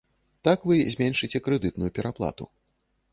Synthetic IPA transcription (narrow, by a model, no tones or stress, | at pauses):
t̪akvɨzʲmʲɛnʂɨt͡sʲɛkɾɨd̪ɨt̪̚nujupʲɛɾaplˠa̰t̪ṵ